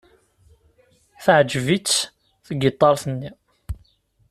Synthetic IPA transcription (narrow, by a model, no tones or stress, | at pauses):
θʕd͡ʒvit͡sː | θəɡət̪ˤːɑɾˤθənːi